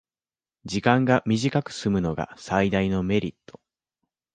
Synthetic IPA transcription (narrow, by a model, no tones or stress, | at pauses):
d͡ʑikãŋɡamʲiʑikakɯ̟̥sɨmɯ̟no̞ɡa̰said̪aino̞me̞ɾʲit̪ːo̞̥